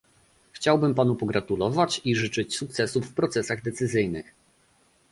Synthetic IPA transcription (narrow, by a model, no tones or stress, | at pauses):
xt͡ɕawbɘmpanupɔɡɾat̪ulɔvat͡ɕiʐɘt͡ʂɘt͡ɕsuk̚t̪sɛsufːpɾɔt̪sɛsaɣd̪ɛt̪sɘzɘjnɘ̰x